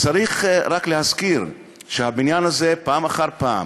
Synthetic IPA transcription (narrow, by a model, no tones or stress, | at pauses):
t͡saʁiχʁakleɦaskiʁ | ʃehabinjanaze̞paːmaχaʁpaːm